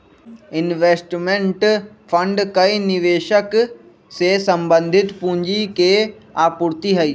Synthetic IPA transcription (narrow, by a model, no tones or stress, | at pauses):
ɪnʋeːsʈmẽɳʈ | fʰɐ̃ɳɖkɐinɪʋeːʃək | sesɐ̃mbə̃nd̪ʱɪt̪pũɦɲd͡ʑikeaːpʊɾt̪iɦɐiː